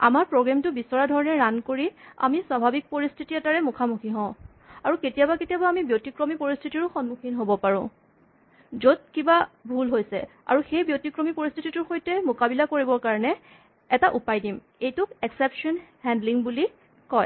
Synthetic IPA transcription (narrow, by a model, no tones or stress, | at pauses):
a̰maɹpɹoɡɹamtʊbisɔɹadʱɔɹɔnɛɹankoɹia̰miswabʱabik̚poɹistʰitiɛtaɹɛmukʰamuxʰiɦɔ̃ʊ̃ | aɹuketijabaketijabaamibjotikɹomipoɹistʰitiɹʊxɔnmukʰinɦobɔpaɹʊ̰̃ | zod̚kibabʱulɦojsɛ̰a̰ɹuxejbjotikɹomipoɹistʰititʊɹxojtɛmʊkabilakoɹibɔɹkaɹɔnɛ | ɛtaʔupajdim | ejtʊkɛksɛpʃɔnhɛndliŋbuli | kɔj